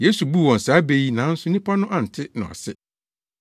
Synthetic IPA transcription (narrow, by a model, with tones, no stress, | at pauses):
je˦su˨bu˦˨wɔ̃˨n̩˨saː˨˦be˨ji˦nã˨˦n̩˦sʊ˦nĩ˦pʰa˦nʊ̃˦ʔa˨n̩˨tʰɪ˦nʊ̰̃˨a̰˨sɪ˦